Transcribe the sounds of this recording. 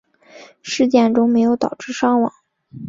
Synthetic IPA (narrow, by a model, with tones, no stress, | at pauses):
ʂɻ̩˥˧t͡ɕjɛ˥˩nʈ͡ʂʊ˥ŋme˧˥ɪjo˧˥ʊt̪ɑ˨˩ʊʈ͡ʂɻ̩˥˧ʂɑ˥ŋwɑ̰˨˩˦ŋ